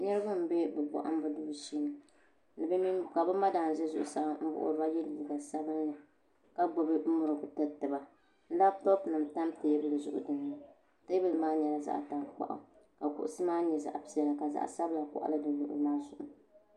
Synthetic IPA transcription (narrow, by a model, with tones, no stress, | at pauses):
ɲɛ˦ɾɨ˦bɨ˦m̩˨bɛ˦bɛ˨bɔ̰˨ʔa̰˦m˦bɨ˦du˦bʃi˦nɨ˨ | lɨ˨bɛ˦mi˦ka˨bɛ˦ma˦daː˨n̩˨zɛ˦zʊ̰˨ʔʊ̰˨sa˨ʔm̩˦bʊ̰˦ʔʊ̰˦dɨ˦ba˦jɛ˦li˨li˨ɡa˨sa˦bɨ˦n˦nɨ˨ | ka˦bo˨bɨ˦m̩˦mʊ˨ɾɨ˨ʔʊ˨tɨ˦tɨ˨ba˨ | n̩˦la˦b̚tɔ˦pnɨ˨m̩˨ta˦mte˨jɛ˦bɨ˦lɨ˨zʊ̰˨ʔʊ̰˨dɨ˨nː˦ɨ˦ | ta˦bɨ˦lmaː˦ɲɛ˨la˨za̰˦˨ʔta˨k͡pa̰˨ʔʊ̰˨ | ka˨kʊ̰˨ʔʊ˦sɨ˦maː˦ɲɛ˨za̰˨ʔpi˨ɛ˨la˨ka˨za̰˨ʔsa˦bla˨kʊ̰˨ʔa̰˦lɨ˦dɨ˨lʊ˨ʔʊ̰˨˦maː˦zʊ˨ʔʊ˨